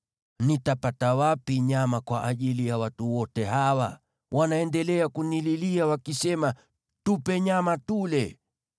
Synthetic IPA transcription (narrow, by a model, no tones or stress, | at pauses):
nitapatawapiɲamakwaʔaʄilijawatuwɔtɛɦawa̰ | wʔanaɛndɛlɛakunililiawakisɛma | tupɛɲamatulɛ